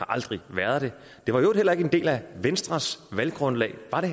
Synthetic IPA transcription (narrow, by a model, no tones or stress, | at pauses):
ɑ̈ʔɑ̈ld̥ʁiʋæɐð̞ˠd̥e̝ | d̥e̝ʋɑ̈johel̰ɐe̝ɡ̥əend̥e̝̰ːlæʋensd̥ʁɐsʋælɡ̥ʁɔ̽nlɛ̰ːɪʋɑ̈ɾ̥e̝